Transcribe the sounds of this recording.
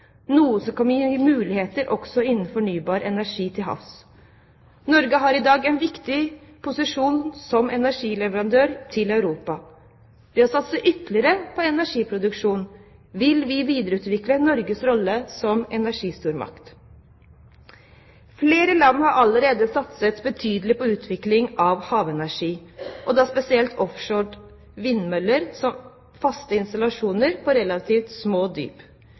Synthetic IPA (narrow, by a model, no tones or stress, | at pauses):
nuːəsɔkʰɔmjiːmʉːlɪheːt̪əɾʔɔksɔɪnːn̩fɔɳyːbɑːɾɛnæʂiːt̪ʰɪlɦɑ̰fs | nɔɾɡəɦɑɾɪd̪ɑːɡɛnʋɪkt̪ɪpʰʊsɪʂuːnsɔmɛnæʂiːlɛʋəɾɑnd̪øːɾt̪ʰɪlɑʉɾuːpɑ | ʋɪhɑsɑt̪səʔʏt̪lɪəɾəpʰɔɛnæʂiːpʰɾʊd̪ʉkʂuːnʋɪlʋɪʋiːd̪əɾəʉːt̪ʋɪklənɔɾɡəsɾɔlːəsɔmɛnæʂiːst̪uːɾmɑ̰kt̪ | fleːɾəlɑnːhɑɾʔɑləɾeːd̪əsɑt̪sət̪bət̪ʰyːd̪əlɪpɔʉːt̪ʰʋɪklɪŋɑʋhɑːʋɛnæʂiːʔɔd̪ɑspɛsɪɛlt̪ʰɔfʂoːɖ | ʋɪnːmœlːəɾsɔm | fɑst̪əɪnst̪ɑlɑʂuːnəɾpʰɔɾɛlɑt̪ʰiːft̪smoːd̪y̰ːp